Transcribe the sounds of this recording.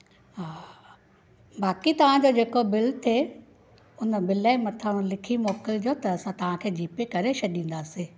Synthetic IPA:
ɦaː | baːkit̪ɐʋ̤ãd͡ʑoːd͡ʑeːkobɪlt̪ʰe | ʊnbɪlaɪmɐt̪ʰəɽ̃lɪkʰimɔːkɪld͡ʑoːt̪ɐːsãt̪ɐʋ̤ãkʰeːd͡ʑiːpekɐɾeʃɐɗĩːn̆d̪aːsi

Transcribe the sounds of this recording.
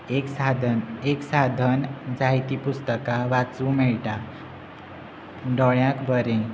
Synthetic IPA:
eksad̪ʱneksad̪ʱənd͡zajt̪ipust̪əkaʋat͡sũmɛɭʈa | ɖɔɭjãkbəɾẽ

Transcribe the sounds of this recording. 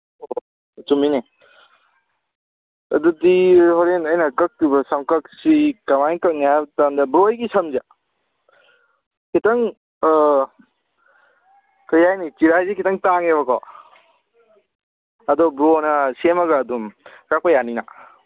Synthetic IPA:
o | tumini | ɐdudihɔɾenɐjnɐkɐk̚tubɐsɐmkɐk̚sikɐmajnkɐk̚nijatandɐbɾojɡisɐmza | kʰitɐŋ | kɐjajnit͡ʃiɾajzikʰitɐŋtaŋeβɐkɔ̰ | ɐdɔbɾonɐsemɐɡaːdum | kak̚pɐjanina

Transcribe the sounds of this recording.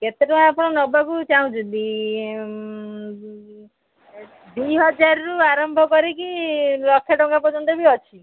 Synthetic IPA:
ket̪eʈũapɔɽ̃ɔnɔbakut͡ʃaũt͡ʃʰud̪i | d̪iɦɔd͡ʒaɾɾuaɾɔmbʱɔkɔɾikilɔkʰːjaʈɔŋɡapɔt͡ʃʰɔnt̪ebiɔt͡ʃʰi

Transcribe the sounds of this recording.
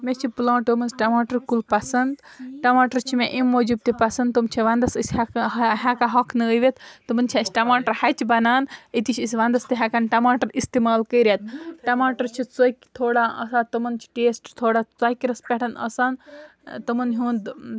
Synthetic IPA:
met͡ʃʰiplãːʈɨmɐnsʈɐmaːʈɐɾkulpɐsɐnd̪ʈɐmaːʈɐɾt͡ʃʰimẽʔimːoːd͡ʒub̚t̪ipɐsɐnd̪t̪umt͡ʃʰiʋɐnd̪ɐsɨsʲɦakaɦɐkʰnɨəʋet̪t̪ɨmɐnt͡ʃʰisʲʈɐmaːʈɐɾhɐt͡ʃbɐnaːnit̪it͡ʃʰisʲʋɐnd̪ɐst̪iɦɐkɐnʈɐmaːʈɐɾist̪imaːlkəjɾʲat̪̚ʈɐmaːʈɐɾt͡ʃʰit͡sokʲt̪ʰoːɽaːʔɐ̰saːt̪ɐmɐnt͡ʃʰi̥ʈeːsʈt̪ʰoːɽaːt͡sɐkɾɐspʲeʈʰɐnɐ̰saːn | t̪ɐmɐnɦũːnd̪

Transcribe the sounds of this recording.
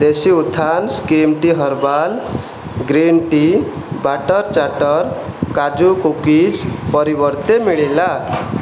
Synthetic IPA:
d̪esiut̪ʰːanskemʈiɦɔɾbal | ɡɾinʈibaʈɔɾt͡ʃaʈɔɾkad͡ʒukukid͡ʒpɔɾibɔɾt̪emiɭela

